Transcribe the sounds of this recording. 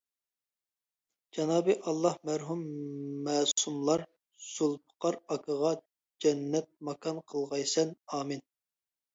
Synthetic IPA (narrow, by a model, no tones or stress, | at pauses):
d͡ʒɑnɑːbɨʔɑlˠːɑhmæɾɦumːæːsumlˠɑɾ | sulˠpʰə̥qɑɾɑkʰəʁɑ | d͡ʒɛnːɛt̪̚mɑkʰɑnqʰəlˠʁɑjsɛnɑːmɨn